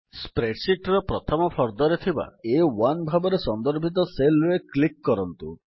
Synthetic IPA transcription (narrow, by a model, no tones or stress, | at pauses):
spɾeɖsiʈɾɔpɾɔt̪ʰɔmɔpʰɔɾd̪ɔɾet̪ʰiba̰ewanbʱabɔɾesɔnd̪ɔɾbʱit̪̬ɔselɾeklikːɔɾɔnt̪u